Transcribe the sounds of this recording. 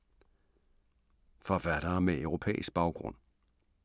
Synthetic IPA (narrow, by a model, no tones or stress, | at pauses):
fɒfæɐɾ̥ɐːmeʔœʊʁo̝pʰḛːisɡ̥̚b̥ɑ̈ʊɡ̥ʁɔ̽n̰